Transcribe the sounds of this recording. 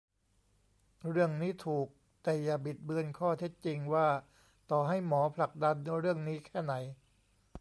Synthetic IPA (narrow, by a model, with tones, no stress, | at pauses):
ɾɯ˥˩əŋniː˦˥t̪ʰuː˨˩k̚ | t̪ɛː˨˩ja˨˩bi˨˩t̪̚bɯ˧ənkʰɔː˥˩t̪ʰe˦˥t̪̚t͡ɕi˧ŋwaː˥˩ | t̪ɔː˨˩ɦa˥˩jmɔː˩˦pʰla˨˩k̚da˧nɾɯ˥˩əŋniː˦˥kʰɛː˥˩na˩˦j